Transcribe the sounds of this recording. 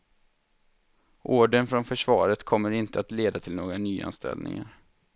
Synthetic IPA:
ʔoːɖənfɾɔnfœʂvɑːɾət̪kʰɔmːəɾɪnt̪əat̪leːd̪at̪ʰɪlnoːɡɾanyːa̰nst̪ɛ̰ld̪ɪ̰ŋaɾ

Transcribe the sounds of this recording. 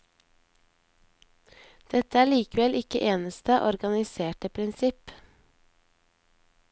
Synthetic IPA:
d̪̥ɛt̪əæːɭiːkəʋɛlʔɪkəʔeːnəst̪əʔɔɾɡɑnɪseːʈəpʰɾɪnsɪp

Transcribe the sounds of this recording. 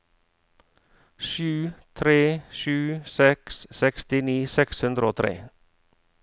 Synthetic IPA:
ʃʉːt̪ʰɾeːʃʉːsɛkssɛkst̪ɪniːsɛkshʉnd̪ɾəoːt̪ʰɾḛː

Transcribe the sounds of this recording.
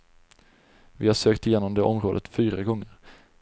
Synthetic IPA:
vɪhaʂøːkt̪ɪjeːnɔmd̪eːʔɔmɾoːd̪ə̰t̪fyːɾaɡɔŋːəɾ

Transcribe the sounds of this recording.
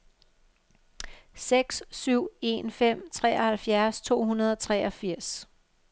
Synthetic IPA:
seɡ̥ssyʊ̰e̝nfem̰t͡sʰʁɛ̰ːɒhælfjæɐst͡sʰo̝̰ːhunɐð̞ˠɒ̽t͡sʰʁɛːɒ̽fiɐ̰s

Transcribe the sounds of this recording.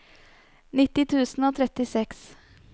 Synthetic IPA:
nɪt̪ːɪt̪ʰʉːsn̩oːt̪ʰɾɛt̪ɪsɛks

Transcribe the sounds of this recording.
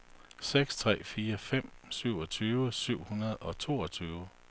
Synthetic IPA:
seɡ̥st͡sʰʁɛ̰ːfiːɐfem̰syʊ̰ɒ̽t͡sʰyːʊəsyʊ̰hunɐð̞̩ˠɒ̽t͡sʰo̝ːɒt͡sʰyːʊə

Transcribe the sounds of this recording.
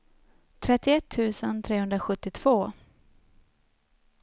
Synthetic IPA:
t̪ʰɾɛt̪ːɪɛt̪ʰːʉ̟ːsənt̪ʰɾeːhɵnd̪ɾaɧɵt̪ːɪt̪ʰv̥oː

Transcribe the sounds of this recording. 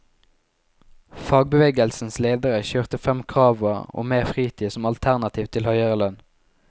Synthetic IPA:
fɑːɡ̚bəʋeːɡəlsn̩sleːd̪əʁəçøːʁt̪əfɛmkʰʁɑːʋoːʁo̰ːmeːʁfʁiːt̪ʰiːsɔmɑlt̪ʰæʁnɑt̪ʰiːʋt̪ʰɪlhœʏəʁəlœn

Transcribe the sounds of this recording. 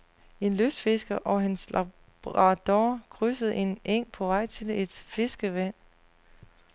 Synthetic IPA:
e̝nløsd̥fe̝sɡ̥ɐʔɒ̽ɦenslɑ | b̥ʁɑd̥ɒːkʰʁysəð̞̩ˠe̝nʔeŋ̰pʰɒ̽ʋɑ̈ɪ̰t͡sʰe̝le̝d̥fe̝sɡ̥əʋæn̰

